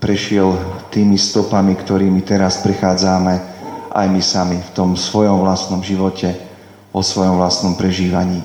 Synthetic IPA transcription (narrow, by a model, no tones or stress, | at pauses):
pɾɛʃɪɛlt̪iːmist̪ɔpamikt̪ɔɾiːmit̪ɛɾaspɾɛxaːd͡zamɛʔa̰jmisamift̪ɔmsʋɔjɔmʋlast̪nɔmʒiʋɔcʰɛ | ʋɔsʋɔjɔmʋlast̪nɔmpɾɛʒiːʋaɲiː